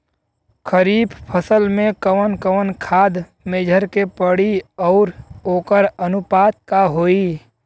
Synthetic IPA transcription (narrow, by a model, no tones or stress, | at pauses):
kʰəɾiːbpʰəsəlmẽkəʋənkəʋənkʰaːd̪ | meːd͡ʒʱəɾkepəɽiɔːɾɦoːkəɾənʊpaːt̪̚kaɦoːiː